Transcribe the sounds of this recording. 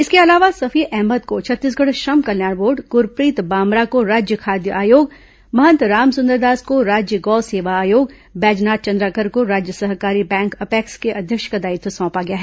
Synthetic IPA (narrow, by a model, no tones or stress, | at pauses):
ɪskeɐlaːʋasɐfʰiːʔɛɦməd̪kot͡ʃʰɐt̪ːiːs̬ɡɐɽʃɐmkɐljaːɽboːɾɖɡʊɾpɾiːt̪baːmɾakoɾaːd͡ʒjəkʰaːd̪jəʔaːjoːɡ | mɐɦə̃nt̪ɾaːmsʊ̃nd̪əɾd̪aːskoɾaːd͡ʒjəɡɔːseːʋaaːjoːɡ | bɛːd͡ʒnaːt̪̚t͡ʃɐ̃nd̪ɾaːkəɾkoɾaːd͡ʒjəsɐɦkaːɾibɛ̃ːŋkɐpɛːkskeʔɐd̪ʱjəkʃkɐd̪aːit̪osɔ̃ːpaɡɐjaːɦɛː